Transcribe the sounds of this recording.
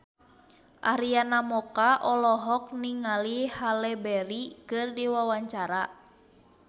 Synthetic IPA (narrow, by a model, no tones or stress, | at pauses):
ʔaɾianamɔkaʔɔlɔɦɔk̚niŋalihalɛbɛɾikɨrdiwawaɲt͡ʃaɾa